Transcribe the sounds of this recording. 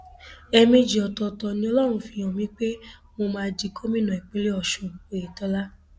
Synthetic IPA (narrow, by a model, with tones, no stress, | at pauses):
ɛ˧me˧d͡ʒi˨ɔ˨tɔ˧tɔ˧nĩ˧˦ɔ˧lɔ˦˨ɾ̃ũ˧˦fĩ˧˦ɔ̃˨mĩ˨˦k͡pe˦mo˧mãː˧d͡ʒi˨˧kʰo˦mĩ˦nɔ̃˨i˨k͡pe˨˧le˦ɔ˨ʃũ˧o˨e˨tɔ˦la˦